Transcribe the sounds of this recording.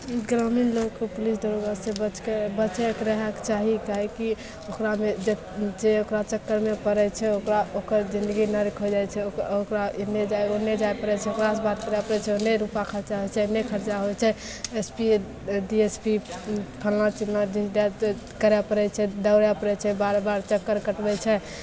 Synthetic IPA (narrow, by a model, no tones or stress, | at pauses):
ɡɾaminlokkepulis̬d̪əɾoɡasebət͡ʃkebət͡ʃɛkɾəɦɛkt͡ʃaɦikaɦɛki | okɾamed͡ʒe | d͡ʒeokɾat͡ʃəkːəɾmepəɾɛt͡ʃʰɛokɾaokəɾd͡ʒind̪əɡinəɾikɦod͡ʒajt͡ʃʰɛookɾanːed͡ʒajonːed͡ʒajpəɾɛt͡ʃʰɛokɾasbat̪kəɾapəɾɛt͡ʃʰɛonːeɾupakʰəɾt͡ʃaɦot͡ʃʰɛnekʰəɾt͡ʃaɦojt͡ʃʰɛ | espi | ɖiespipʰəlnat͡ʃilnadiɖa | kəɾɛpəɾɛt͡ʃʰɛd̪əwɾjapəɾɛt͡ʃʰɛbaɾbaɾt͡ʃəkːəɾkəʈbɛt͡ʃʰɛ